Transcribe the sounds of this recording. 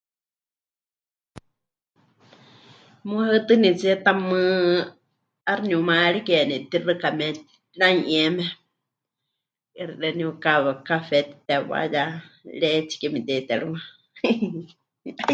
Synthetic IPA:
muaɨt̪ɨnit͡siɛt̪amɨ | arnumaɺikɛnit̪irɨkamɛ | ɺaiʔɛmɛ | ɛɾiɺɛniukakafɛt̪i̥t̪ɛwa̰jaɺɛt͡si̥kɛmit̪ɛt̪ɛɺɨwa

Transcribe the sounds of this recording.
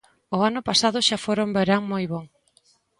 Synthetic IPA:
ʊanʊpasaðʊʃafoɾombeɾaŋmojβoŋ

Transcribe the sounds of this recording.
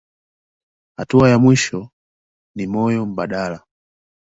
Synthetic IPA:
ha̰tuajamwiʃɔ | nimɔjɔm̩ɓaɗaːla

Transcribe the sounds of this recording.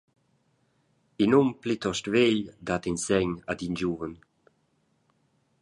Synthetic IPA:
inumplit̪ɔʃtveʎd̪at̪insɛɲad̪ind͡ʒuvən

